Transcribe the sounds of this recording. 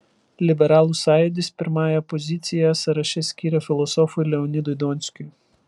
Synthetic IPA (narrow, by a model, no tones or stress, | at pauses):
lʲibɛɾɑlˠʊsɑjʊd̪ʲɪsʲpʲɪɾmɑjɛpɔzʲit̪sʲɪjɐsɐɾɐʃʲɛsʲkʲiɾɐfʲɪlˠɔsɔfʊlʲɛɔnʲid̪ʊjd̪ɔnʲsʲkʲʊj